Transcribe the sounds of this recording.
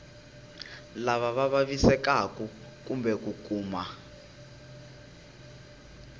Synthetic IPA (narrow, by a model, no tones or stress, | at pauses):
laβaβaβaβisɛkaku | k̬ʼumbɛkuk̬ʼuːma